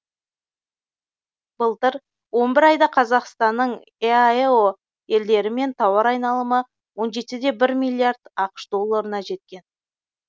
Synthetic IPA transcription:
b̥əlˠt̪əɾ | wo̞nbɪɾɑjd̪ɑqʰɑzɑqst̪ɑnːəɴ | eeo | e̞ld̪e̞ɾɪme̞nt̪ʰɑwɑɾɑjnɑlˠəmə | wo̞nʒe̞t̪ɪd̪e̞bɪɾmʲilʲːiard̪ɑqə̥ʃd̪o̞lˠːaɾənɑʒe̞t̪̚kʲe̞n

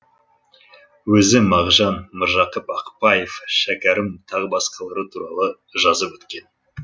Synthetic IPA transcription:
wɵzɪmɑʁʒɑnməɾʒɑqəpɑqpɑjefʃækʲæɾɪmt̪ʰɑʁbɑsqɑlˠɑɾət̪ʰuɾɑlˠə | ʒɑzəpwɵt̪kʲe̞n

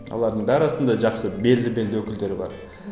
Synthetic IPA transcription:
wo̰lˠɑɾd̪əɴbæɾɑst̪ənd̪ɑʒɑqsəbe̞ld̪ɪbe̞ld̪ɪwɵkʲɪld̪e̞ɾɪbɑ̰ɾ

